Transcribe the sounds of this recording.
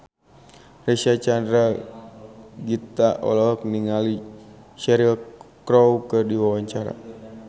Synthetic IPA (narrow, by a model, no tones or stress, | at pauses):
rɛsat͡ʃandɾa | ɡit̪aʔɔ̰lɔɔk̚niŋali | ʃɛɾilkɾɔwkɨrdiwawaɲt͡ʃaɾa̰